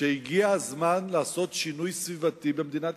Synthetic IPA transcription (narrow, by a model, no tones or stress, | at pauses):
eiɡiazmanlaːso̞t̪ʃinujsvivat̪ibemd̪inat̪